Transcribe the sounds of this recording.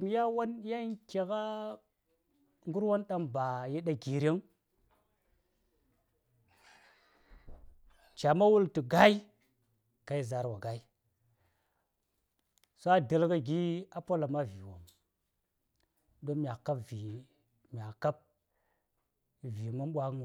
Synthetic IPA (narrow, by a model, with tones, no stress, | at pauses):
m˦ja˦wa˦nja˦ke˨ka˦ | ŋɡu˦ɾwo˦nɗa˦mba˨je˦ɗa˦ɡi˨ɾe˦ŋ | t͡ʃa˨ma˦wu˦ltu˨ɡa˦i˦ | ka˨i˦za˨ɾwa˨ɡa˨i˦ | so˦a˦də˨lka˦ɡi˦a˦po˦la˨ma˦vi˨wo̰˨m | do˦mʲ˨a˨ka˦pvi˨ | mʲ˨a˨ka˦p̚ | vi˨mu˦nɓʷa˦ŋ˨